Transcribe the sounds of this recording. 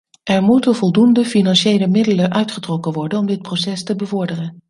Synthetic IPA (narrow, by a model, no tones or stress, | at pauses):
ʔɛɹmutənvɔlˠdundəfinɑnʃejləmɪdələʔœɥtχətrɔkənʋɔɹdənɔmdɪt̚prosɛstəbəvɔɹdərən